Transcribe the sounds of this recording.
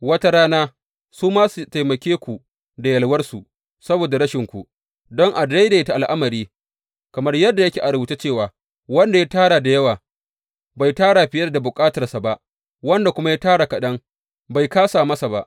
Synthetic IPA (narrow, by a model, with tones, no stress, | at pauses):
wɐ˦ta˦ɽaː˦naː˦ | suː˦maː˦su˨ta˨jmɐ˨kʲeː˦kʷu˨ | da˨jɐ˨lwɐ˦rsu˨ | sɐ˦boː˨da˨ɾɐ˦ʃɪ˨ŋkʷu˨ | dɔ˦ŋʔa˨da˦jdeː˨ta˨ʔa˨lʔa˦mɐ˨ɾiː˦ | kɐ˨mɐ˦rjɐ˦dːa˨jɐ˦kʲeː˨ʔa˨ɾʊ˦buː˦te˦t͡ʃeː˦˨waː˨ | wɐ˦nda˨ja˦taː˦ɽaː˨da˨jɐ˦waː˨ | ba˨jtaː˦ɽaː˨ɸɪ˨jɐ˦da˨bʊ˨kʼaː˦tɐ˨rsa˨ba˦ʔ | wɐ˦nda˨kʷʊ˦ma˦ja˦taː˦ɽa˨kɐ˨ɗɐ˦ŋ | ba˨jkaː˦saː˨mɐ˦sa˨ba˦ʔ